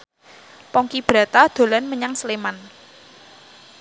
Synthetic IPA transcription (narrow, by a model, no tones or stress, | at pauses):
pɔŋkib̥ɾä̤t̪ad̪̥o̤lanməɲaŋsəleman